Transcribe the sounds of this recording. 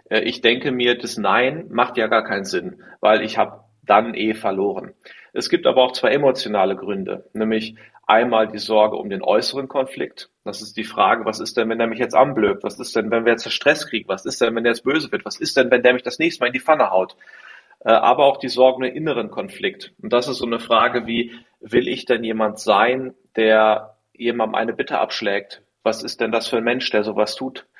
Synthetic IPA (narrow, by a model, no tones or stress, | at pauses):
ʔɛːʔɪçd̥ɛŋkəmiːɐdasnaɪnmaχtjaːɡaːɐkʰaɪnzɪnva̰ɪlɪçhaːbə | d̥anʔeːfɛɐloːʁ̞ənʔɛsɡ̥iːp̚ta̰ːbɐaʊxt͡sv̥aɪʔemot͡sjonaːləɡʁʏndə̰nɛːmlɪç | ʔa̰ɪnmaːldiːzɔɐɡə̰ʔʊ̰mdeːnʔɔ̰ʏsəʁ̞ənkʰɔnflɪ̰k̚t | d̥asɪst̚d̥iːfʁ̥aːɡəvasɪst̚d̥ɛnvɛndeːɐmɪçjɛt͡stʔa̰nbløːp̚tvasɪstd̥ɛnvɛnviːɐjɛt͡staʃtʁ̥ɛskʁ̥iːɡŋ̩vasɪstd̥ɛnvɛndeːɐjɛt͡ssb̥øːzəvɪɐtv̥asɪst̚d̥ɛnvɛndeːɐmɪçd̥asnɛːçstəmaːlɪndiːfanəhaʊt | ʔɛːʔa̰ːbɐaʊxd̥iːzɔɐɡəʊmdenʔɪnəʁ̞ənkʰɔnflɪktʔʊnt̚d̥asɪstz̥oːnəfʁ̥aːɡəviː | vɪlʔɪçd̥ɛnjeːmantz̥aɪnd̥eːɐ | jeːmandn̩ʔa̰ɪnəbɪtʰə̰ʔa̰pʃlɛːk̚t | v̥asɪst̚d̥ɛndasfyːɐnmɛnʃd̥eːɐzoːvastʰuːt